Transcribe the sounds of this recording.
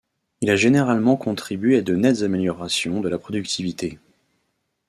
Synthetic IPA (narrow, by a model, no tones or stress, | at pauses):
ilaʒeneʁalmɑ̃kʰɔ̃t̪χibɥead̪ənɛt̪zameljɔʁasjɔ̃d̪əlapχɔd̪ykt̪ʰivit̪e